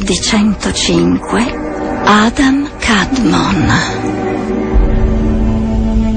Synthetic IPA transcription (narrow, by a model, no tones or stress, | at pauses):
d̪it͡ʃɛnt̪ot͡ʃiŋkʰwe | ad̪amkʰad̪mɔn